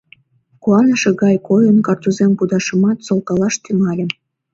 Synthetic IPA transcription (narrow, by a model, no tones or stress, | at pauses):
kuɑnəʃĕɣɑjkojənkɑrt̪uzempud̪ɑʃə̆mɑt̪solkɑlɑʃt̪yŋɑlʲĕ